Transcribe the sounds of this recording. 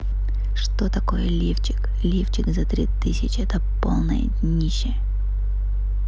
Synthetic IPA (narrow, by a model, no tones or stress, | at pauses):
ʂt̪ot̪ɐko̞jəlʲift͡ɕɪk | lʲift͡ɕɪkzɐt̪ɾʲit̪ɨsʲɪt͡ɕɪɛt̪ə | polˠnə̰jə̰ | nʲiɕːɪjə